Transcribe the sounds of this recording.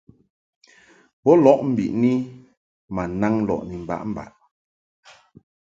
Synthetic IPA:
bɔ˦lɔ˦ʔm̩˨bḭ˨ʔni˦ | ma˨na˦ŋ˦lɔ̰˨ʔni˨m̩˨ba̰˨˦ʔm̩˦ba̰˨ʔ

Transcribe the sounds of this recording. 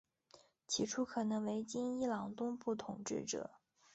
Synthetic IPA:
t͡ɕʰi˥ʈ͡ʂʰu˥kʰɤ˨˩nɤ˧˥ŋwe˧˥ɪt͡ɕi˥ni˥lɑ˨˩ŋt̪ʊ˥ŋpu˥˩t̪ʰʊ˨˩ŋʈ͡ʂɻ̩̰˥˩ʈ͡ʂɤ̰˨˩˦

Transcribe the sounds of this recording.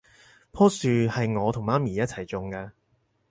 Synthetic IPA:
pʰɔː˥syː˨hɐ˨jŋɔː˨˧t̪ʰʊ˨˩ŋmaː˥miː˨˩jɐ˥t̚t͡sʰɐ˨˩jt͡sʊ˨ŋkɐː˧

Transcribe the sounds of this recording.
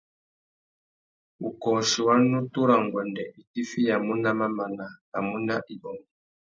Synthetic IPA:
u˨kɔː˨ʃi˨wa˦nu˦tu˦ɾa˨ŋ˨ɡwɛ˨ndɛ˨i˨ti˦fi˦ja˨mu˦nda˦ma˦ma˨na˨a˨mu˦nda˦ʔi˨ɓɔ˨m˨

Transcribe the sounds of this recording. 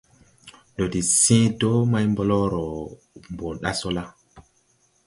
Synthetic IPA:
ɗo˨di˨sĩ˦do˦ma˦jmbo˦lɔ˦ɾɔ˨ | mbo˨ɗa˦so˦la˦

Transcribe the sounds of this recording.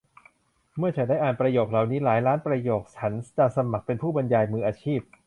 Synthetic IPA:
mɯ˥˩ɐt͡ɕʰa˦daː˥˩jʔaː˨˩npɾa˧joː˨˩k̚la˨˩wniː˦˥laː˩˦jɾaː˦˥npɾa˧joː˨˩k̚t͡ɕʰa˦˥nt͡ɕa˨˩sa˧ma˨˩k̚pe˧npʰuː˥˩ba˧njaː˧jmɯː˧ʔaː˧t͡ɕʰiː˥˩p̚

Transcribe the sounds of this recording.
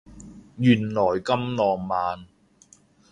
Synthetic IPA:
jyː˨˩nlɔː˨˩jkɐ˥mlɔː˨ŋmaː˨˧n

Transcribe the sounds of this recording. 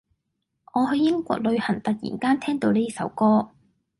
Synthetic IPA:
ŋɔː˨˧hɵ˧ɥjɪ˥ŋkʷɔ̰ː˧k̚lɵ˨˧ɥhɐ˨˩ŋt̪ɐ˨k̚jḭː˨˩nkaː˥nt̪ʰɛː˥ŋt̪o˧wneː˥sɐ˨˧˥wkɔː˥

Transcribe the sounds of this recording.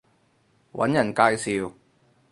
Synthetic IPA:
wɐ̰˨˥njɐ˨˩nkaː˧jsiː˨˧w

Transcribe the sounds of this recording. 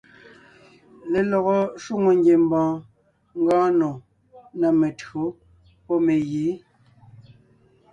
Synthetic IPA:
le˨lɔ˨ɣɔ˨ʃu˦ŋo˨ŋɡje˨m˦bãː˨ | ŋ˦ɡãː˦no˨ | na˨me˨tɰo˨˦ | pɔ˦me˨jiː˨˦

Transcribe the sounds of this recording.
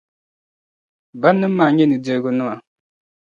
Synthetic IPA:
ba˦nːɨ˦m̩˦maː˨ɲɛ˦nɨ˨dɛ˦ɾɡʊ˦nɨ˦ma˨

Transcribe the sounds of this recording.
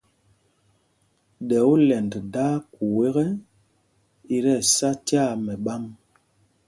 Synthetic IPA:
ɗɛ˨u˦lɛ˨nddaː˦ku˨we˦ɣɛ˦ | i˦ɾɛ˦˨sa˦ti˦a˦˨mɛ˨ɓa˦m

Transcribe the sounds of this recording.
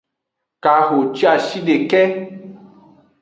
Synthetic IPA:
ka˨xo˨t͡ʃi˦a˨ʃi˦ɖe˨kɛ˦

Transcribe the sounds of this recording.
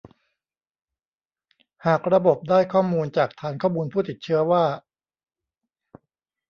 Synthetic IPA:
haː˨˩k̚ɾa˧bo˨˩p̚daː˥˩jkʰɔː˥˩muː˧nt͡ɕaː˨˩k̚t̪ʰaː˨˦nkʰɔː˥˩muː˧npʰuː˥˩t̪i˨˩t̪̚t͡ɕʰɯ˦˥ɐwaː˥˩

